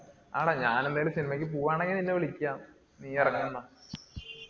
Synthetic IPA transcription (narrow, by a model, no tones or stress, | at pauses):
a̰ːɽaɲaːnenːejilmsinimɐkʲːɨpuːʋaːɳeŋɡilininːeʋeɭikʲːaːm | niːjɐrɐŋːunːɐ